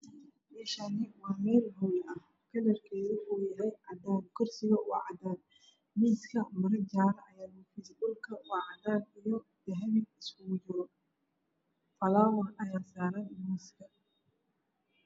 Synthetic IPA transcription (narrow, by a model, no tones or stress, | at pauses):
mɛːʃanɪwɑːmɛːlɦɔwlɐh | kʰɐlɐrkʰɛːðɪwʊħuːjɐɦɛjʕɑd̪ɔːmkʰʊrsɪɣɐwɑ̰ʕɑd̪aːn | miːskʰɐmɐɾɐd͡ʒaːɾɐʔɐjaːʊfɪsdʊlkʰɐwɑʕɑd̪aːnijɔ | d̪̥ɛɦɛβɪnɪskʊɣʊd͡ʒɪɾɔ | fɐlaːwɐhɐjaːsaːɾanmiːskʰɐ